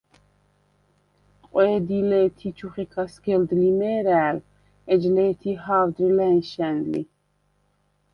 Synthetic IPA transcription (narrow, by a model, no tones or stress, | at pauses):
qʼwɛːd̪ilɛːt̪ʰit͡ʃʰuχikʰasɡɛld̪limɛːɾæːl | ɛd͡ʒlɛːt̪ʰiɦaːvd̪ɾilɛnʃɛnlḭ